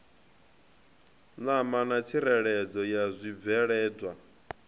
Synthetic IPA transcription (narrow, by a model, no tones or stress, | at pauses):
namanat͡sʰiɾɛɺɛd͡zɔjazʷib̪vɛɺɛːd͡zwa